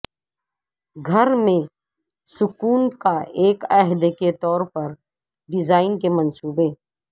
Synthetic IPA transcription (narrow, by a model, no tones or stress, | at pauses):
ɡʱɐɾmẽ | sʊkuːnkaʔeːkɛɦd̪ket̪ɔːɾpɐɾ | ɖɪzaːɪnkemə̃nsuːbeː